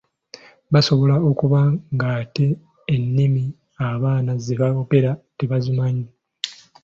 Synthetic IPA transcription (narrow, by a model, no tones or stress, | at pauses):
baso̞βo̞lao̞kuβaŋɡate̞ː | nːimi | aβaːnazeβaope̞ɾate̞βazumaɲi